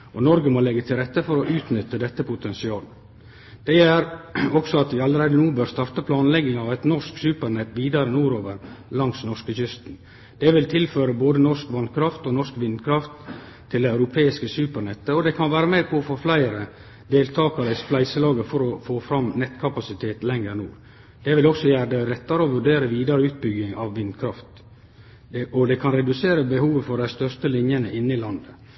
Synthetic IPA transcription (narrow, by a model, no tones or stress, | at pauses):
ɔnɔɾɡəmɔlɛɡːət̪ʰɪlɾɛt̪ːəfɔɾɔʔʉːt̪nʏt̪ːəd̪ɛt̪ːəpʊt̪ʰɛnsɪɑːlə | d̪̥ɛæɾɔksɔɑt̪̚d̪ɪɑləɾæɪd̪ənuːbøːɾst̪ɑɾt̪əpʰlɑːnlɛɡɪŋɑʋæɪt̪nɔʂksʉːpəɾɳɛt̪ːʋiːd̪ɑɾəənuːɾoːʋəɾlɑŋsnɔʂkəçʏst̪n | d̪̥ɛʋɪlt̪ʰɪlføːɾəboːd̪ənɔʂkʋɑnkʰɾɑft̪ɔnɔʂkʋɪnd̪kʰɾɑft̪ʰː | ɪld̪æɪæʉɾʊpʰeːɪskəsʉːpəɾɳɛt̪ːəɔd̪ɛkʰɑnʋæːɾəmeːpʰɔːfoːflæɪɾə | d̪eːlt̪ʰɑːkɑɾəɪsflæɪsəlɑːɡəfɔɾɔfoːfɾɑmnɛt̪kʰɑpɑsɪt̪ʰeːt̪lɛŋəɾnuːɾ | d̪̥ɛʋɪlɔksɔjæːɾd̪ɛɾɛt̪ːɑɾəɔʋʉɖeːɾəʋiːd̪ɑɾəʉːt̪̚bʏɡːɪŋɑʋːɪnd̪kʰɾɑft̪ | ɔd̪ɛkʰɑnɾɛd̪ʉseːɾəbəhuːʋəfɔɖæɪst̪œʂst̪əlɪnjənəʔɪnːəɪlɑnd̪ə